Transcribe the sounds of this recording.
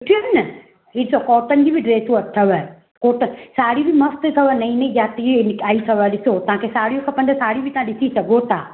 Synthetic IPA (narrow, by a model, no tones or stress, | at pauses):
ʊʈʰijoɦnɐ | ɦiɗɪsokɔːʈənd͡ʑibʱiɖɾeːsũɐt̪ʰɐʋə | kɔːʈənsaːɽibʱimɐst̪t̪ʰɐʋənɐĩnɐĩd͡ʒaːt̪inɪkaːisɐʋaɗɪsot̪ɐɦãkʰesaːɽijõkʰɐ̃pɐ̃nd̪əsaːɽibʱit̪ɐãɗɪsisɐɡʱot̪ʰaː